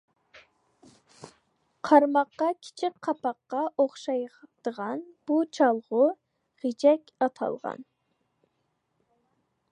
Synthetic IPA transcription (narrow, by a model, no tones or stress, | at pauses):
qʰɑɾmɑqːɑkʲʰi̥t͡ʃʰɪk̚ʲqʰɑpʰɑqːɑʔoχʃɑjd̪̥əʁɑnb̥ut͡ʃʰɑlˠʁʊ | ʁid͡ʒɛkʲɑt̪ʰɑ̰lˠʁɑ̰n